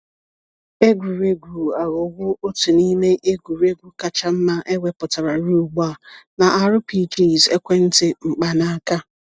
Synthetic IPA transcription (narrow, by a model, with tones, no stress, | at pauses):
e˦ɡʷu˨ɾe˦ɡʷu˨a˨ɣʊ˨ɡʷʊ˦o˦tu˨ni˦me˦ʔe˦ɡʷu˨ɾe˦ɡʷu˦ka˨t͡ʃa˦m̩˦ma˦ʔe˦wʷe˦pʊ˨ta˨ɾa˨ɾu˦˨ɡ͡ba˦˨na˨ʔa˨ɾʊ˦pi˦˨d͡ʒi˦˨ze˦kʷe˦n̩˦tɪ˦ŋ͡m̩˨k͡pa˨na˦ka˦